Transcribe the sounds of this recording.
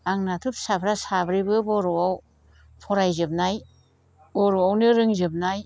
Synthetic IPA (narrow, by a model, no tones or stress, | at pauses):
aŋnatʰup̚sapʰɾasabɾibɯbɔɾɔwaw | pʰɔɾajzɯb̚naj | bɔɾuawnɯɾɯŋzɯb̚naj